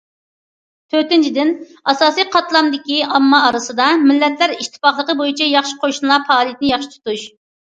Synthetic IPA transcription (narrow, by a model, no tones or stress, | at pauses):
t̪ʰøɾt̪ɪnt͡ʃʰid̪ɪn | ɑsɑːsijqʰɑt̪lˠɑmd̪ɪkʲiɑmːɑːɾɨsɨd̪ɑmɪlːɛt̪ʰlæɾiʃt̪ʰːɨ̥pɑχlˠəqəbojit͡ʃʰɛjɑχʃɪ̥qʰoʃunlˠɑfɑːlˠijɛt̪̚nɪjɑχʃi̥t̪ʰu̥t̪uʃ